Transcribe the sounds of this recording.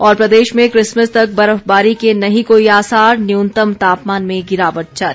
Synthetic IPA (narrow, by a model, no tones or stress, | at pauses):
ɔːɾpɾɐd̪eːʃmẽkɾɪsməst̪ɐk̚bɐɾəfbaːɾikenɐɦĩkoːiaːsaːɾnjunt̪əmt̪aːpmaːnmẽɡɪɾaːʋəʈ̚t͡ʃɐt